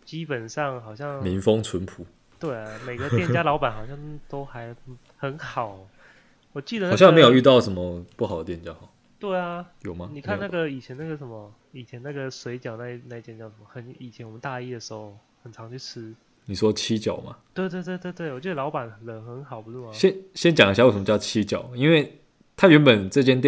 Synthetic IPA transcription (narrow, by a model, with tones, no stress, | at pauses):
t͡ɕi˦˥pə˨˩nʂɑ˥˩ŋxɑ˨˩ʊɕjɑ˥˩ŋmi˧˥ŋfo˦ŋt͡sʰu˧˦npʰu˨˩˦ | t̪we˥˩ɪa˨˩me˨˩ɡə˧˦t̪jɛ˥˧nt͡ɕja˥lɑ˧˥ʊpa˨˩nxɑ˨˩ʊɕjɑ˥˩ŋt̪o˥ʊxa˧˥ɪ | xə˧˥nxɑ˨˩˦ʊ | wɔ˨˩t͡ɕi˥˩d̪ə˩n˨ɕjɑ˥˨ŋme˧˥jo˨˩ʊy˥˧t̪ɑ˥˨ʊʂə˧˥nmə˧pu˥˩hɑ˨˩d̪ə˦t̪jɛ˥˨nt͡ɕja˦˥hɔ˨˩ | t̪we˥˩ɪa˩jo˨˩ʊma˦ni˨˩kʰa˥˧na˥˩ɡə˨i˨˩t͡ɕʰjɛ˧˦na˥˩ɡə˩ʂə˧˦nmə˧ | i˨˩t͡ɕʰjɛ˧˦na˥˩ɡə˩swe˧˥ɪt͡ɕjɑ˨˩na˥˩na˥˩i˧t̪jɛ˨˩nt͡ɕjɑ˥˩xə˧˥ni˨˩t͡ɕʰjɛ˦nwmə˦nt̪a˥˧i˥˩d̪ə˩ʂɻ̩˧˥xo˥˩ʊ | xə˨˩nt͡sʰɑ˧˦ŋt͡ɕʰy˥˩ʈ͡ʂʰɻ̩˦˥ | ni˨˩ʂwɔ˥t͡ɕʰi˦˥t͡ɕjɑ˨˩ʊma̰˦t̪we˥˧ɪwe˥˧ɪt̪we˥˧ɪt̪we˥˧t̪we˥˩wɔ˨˩t͡ɕi˧˥d̪ə˨lɑ˧˥ʊpa˨˩nə˨lə˨˩xə˧˦nxɑ˨˩ʊpu˦t͡s̩̪˥˩˨mɕjɛ˥nɕjɛ˦˥nt͡ɕja˨ŋi˦ɕ̬a˥˩jo˥˩ʂə˨˦mə˦˥t͡ɕɑ˥˩ʊt͡ɕʰi˦˥t͡ɕjɑ˨˩˦ʊi˥nwe˥˩ɪ | t̪ʰa˥ɥɛ˧˦npə˨˩nt͡sɤ˥˧t͡ɕjɛ˥˧nt̪j